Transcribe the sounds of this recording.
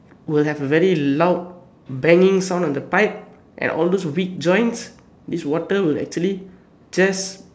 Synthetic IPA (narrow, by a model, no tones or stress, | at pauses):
wilɦɛvəvɛɹilaʊt̚ | bɛ̃ŋiɪ̃ŋsãʊ̃ndɔ̃ndəpaɪp̚ | ʔɛ̰̃nʔɔ̰ldoswik̚d͡ʒɔ̃j̃ns | diswɔtəwilɛ̰k̚t͡ʃuəli | d͡ʒas